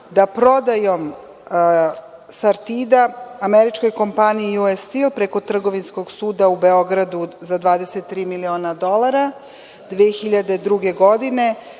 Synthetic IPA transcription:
d̪apɾo̞d̪ajo̞m | saɾt̪id̪aameɾit͡ʃko̞jko̞mpaniiuest̪ilpɾe̞ko̞t̪r̩ɡo̞ʋinsko̞ɡsuːd̪aubeo̞ɡɾad̪uzad̪ʋaːd̪e̞set̪ːɾiːmilio̞ːnad̪o̞lˠaɾa | d̪ʋeːxiʎad̪e̞d̪ɾuɡeɡo̞d̪ine̞

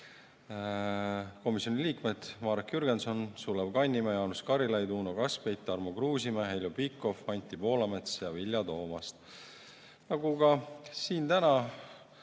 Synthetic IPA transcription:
ko̞misjo̞nʲiliːkmed̪̥mɑːɾekjyɾɡ̥enso̞nsuleb̥kɑnʲːimɑjɑnuskɑɾilɑjd̪uːnokɑspejt̪ːˑɑrmokruːsimeɦejlʲopikːˑo̞fɑnʲt̪ʲːˑipo̞ːlɑme̞t̪sjɑvilʲjɑt̪o̞ːmɑst̪ | nɑɡukɑsiːnt̪ænɑ

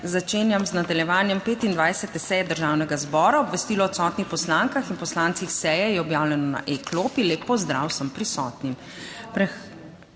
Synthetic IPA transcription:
zat͡ʃeːnjamznad̪aljɛʋaːnjɛmpeːt̪ind̪ʋajsɛt̪ɛsɛjɛd̪əɾʒaːwnɛɡazbɔːɾaɔbʋɛst̪iːlɔɔt̪sɔːt̪nixpɔslaːŋkaxinpɔslaːnt̪sixsɛjɛjɛɔbjaːwlʲɛnɔna̰ʔekloːpileːpːɔzd̪ɾawsəmpɾisɔ̰ːt̪nim | pɾɛ

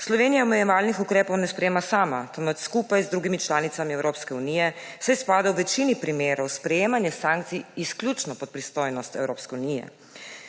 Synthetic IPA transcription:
slɔʋeːnijaɔmɛjɛʋaːlnixukɾeːpɔwnɛspɾɛjeːmasaːmat̪ɔmət̪skuːpajzd̪ɾuːɡimit͡ʃlaːnit̪amiɛwɾoːpskɛuniːjɛsɛjspaːd̪awʋɛt͡ʃiːnipɾimeːɾɔwspɾɛjeːmanjɛsaŋk̚t̪siisklʲjut͡ʃnɔpɔt̪̚pɾist̪oːjnɔst̪ɛ̰wɾoːpskɛunijɛ̰

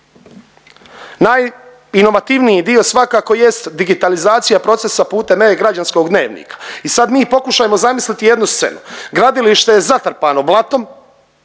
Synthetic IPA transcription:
naj | ino̞ʋat̪iʋnijid̪io̞sʋakaːko̞je̞st̪d̪iɡit̪alizaːt̪sijapɾo̞t̪se̞sapuːt̪e̞mejeɡɾad͡ʒansko̞ɡd̪ne̞̰ːʋnḭːkḁisad̪miːpo̞kuʃajemozamislit̪ije̞d̪nust̪se̞̰nuɡɾad̪iliʃt̪e̞je̞zat̪ɾpaːnoblˠat̪o̞m

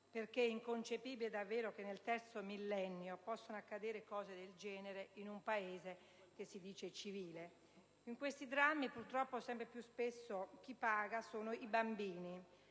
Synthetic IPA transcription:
perk̟eɛiŋkont͡ʃepiːbiled̪avːeːɾokenːelt̪ɛrt̪somilːɛnːjopɔsːonoakːad̪eːɾekɔːzed̪eld͡ʒɛːneɾeinumpaeːze | k̟esːid̪iːt͡ʃet͡ʃiviːle | iŋkwest̪id̪ɾamːipurt̪ɾɔpːosɛmpɾepjuspesːok̟ipːaːɡasoːnoibambiːni

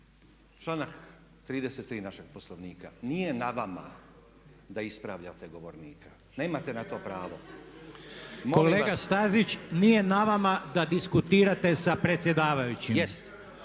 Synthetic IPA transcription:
t͡ʃlaːnak | t̪ɾiːd̪eset̪ːɾiːnaʃeɡ̥̚poslˠoʋniːkanijenaʋama̰ | d̪aispɾaːʋʎat̪eɡoʋoɾniːkʰḁ | neːmat̪enat̪o̞ːpɾaːʋo | mmokoleːɡast̪azit͡ɕnije̞naʋamad̪ad̪iskut̪iːɾat̪e̞sapɾe̞t̪sʲje̞d̪aːʋajut͡ɕijest̪

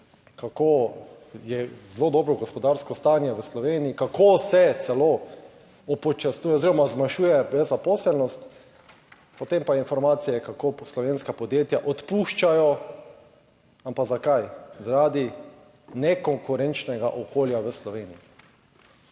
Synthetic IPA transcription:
kakoː | jɛzlod̪ɔːbɾɔɡɔspɔd̪aɾskɔst̪aːnjɛʋəslɔʋeːniikakoːsɛt̪sɛloː | ɔpɔt͡ʃasnuːjɛoziɾɔmazmaʃuːjɛbɛzapɔsɛlnɔst̪ | pot̪empainfɔɾmaːt̪sijɛkakoːslɔʋenskapɔd̪jeːt̪jaʔɔt̪puʃt͡ʃajɔ | ampaɡzakajzaɾaːd̪i | nɛkɔŋkʊɾɛnt͡ʃnɛɡa̰ʔɔkʰoːljaʋəslɔʋeːnii

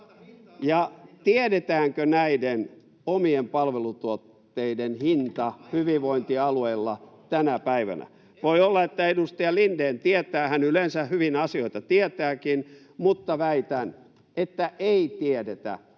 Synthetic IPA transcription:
jɑt̪ieɾet̪æːŋkønæiden | omiempɑlʋelut̪uot̪ːeidenhint̪ɑhyʋiʋʋoint̪iɑlueilːɑt̪ænæpæiʋæ̰næ̰ | ʋoiolːɑet̪ːæedust̪ɑjɑlindeːnt̪iet̪æːhænylensæhhyʋinɑsioit̪ɑt̪iet̪æːkin | mut̪ːɑʋæit̪æn | et̪ːæʔeit̪iedet̪æ̰

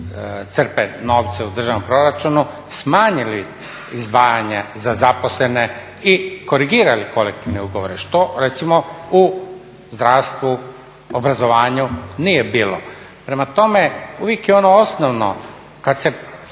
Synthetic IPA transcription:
t̪sr̩peno̞ːʋt̪seud̪r̩ʒaʋnompɾo̞ɾat͡ʃunu | smaːɲili | izd̪ʋaːjaɲezazapo̞slene | iko̞ɾiɡiːɾaliko̞lek̚t̪iʋneuɡoʋoɾeʃt̪o̞ɾet̪simou | zd̪ɾaːst̪ʋu | obɾazoʋaːɲuniːjebiːlo̰ | pɾe̞mat̪o̞meuʋjekjeo̞noo̞snoʋno̰ | kad̪se̞

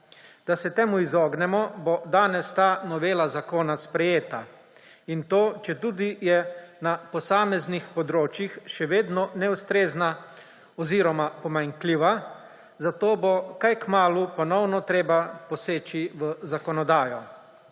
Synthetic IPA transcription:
d̪̥asɛt̪eːmuizɔːɡnɛmɔbod̪aːnɛst̪aːnɔʋeːlazakoːnaspɾɛjeːt̪a | int̪oːt͡ʃɛt̪uːd̪ijɛnapɔsaːmɛznixpɔd̪ɾoːt͡ʃjixʃɛʋeːd̪nɔnɛust̪ɾeːzna | ɔziːɾɔmapɔmaŋkliʋa | zat̪oːbokajkmaːlupɔnɔwnɔt̪ɾeːbapɔseːt͡ʃiʋəzakɔnɔd̪aːjɔ

